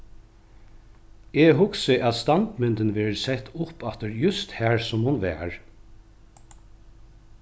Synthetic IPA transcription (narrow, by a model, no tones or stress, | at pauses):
eɦʊksɪʔæðst̪ɑnt̪mɪnt̪ənʋɛːɹəsɛht̪ːʊpat̪əɹjʉst̪hæːɹsʊmhʊnʋæ̰ːɹ